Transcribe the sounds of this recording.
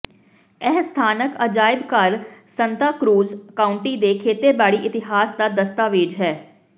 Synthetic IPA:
ɛɦst̪ʰaːnəkəd͡ʒaːɪbkəɾsənt̪aːkɾuːzkaːʊɳʈiːd̪eːkʰeːt̪eːbaːɽiːʔɪt̪ɪɦaːsd̪aːd̪əst̪aːʋeːd͡ʒɦɛː

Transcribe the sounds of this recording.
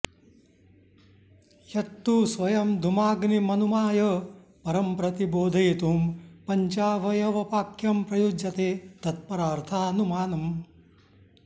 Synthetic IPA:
jɐt̪ːusʋɐjɐmd̪ʱumaːɡnimɐnumaːjɐpɐɾɐmpɾɐt̪iboːd̪ʱɐjit̪umpɐɲt͡ʃaːʋɐjɐʋɐpaːkjɐmpɾɐjud͡ʒɐt̪eːt̪ɐt̪̚pɐɾaːɾt̪ʰaːnumaːnɐm

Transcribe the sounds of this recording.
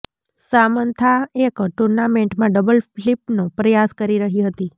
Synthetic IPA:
samənt̪ʰaekʈuɾnameɳʈmãɖəbəlflipnõpɾəjaskəɾiɾəɦiɦət̪i

